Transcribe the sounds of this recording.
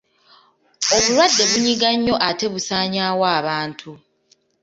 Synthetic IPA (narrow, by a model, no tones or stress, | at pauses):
o̞βulwadːe̞βuɲiɡaɲːo̞ʔate̞βusaːɲaːwaːβaːntʰu